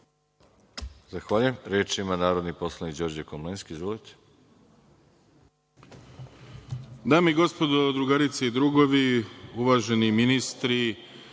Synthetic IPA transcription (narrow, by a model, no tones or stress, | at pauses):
zaxʋaːʎujemɾjeːt͡ʃiimanaːɾo̞d̪nipo̞slˠanikd͡ʑo̞ɾd͡ʑekomlenskiizʋolit̪e̥ | d̪aːmeiɡo̞spo̞d̪od̪ɾuɡaɾit̪seid̪ɾuːɡo̞ʋiuʋaːʒe̞niminist̪ɾi